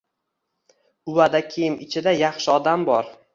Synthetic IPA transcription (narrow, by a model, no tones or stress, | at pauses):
ʊwad̪akʲʰejɪmɪt͡ʃʰɪd̪ajɑχʃɪɒd̪ambɒɾ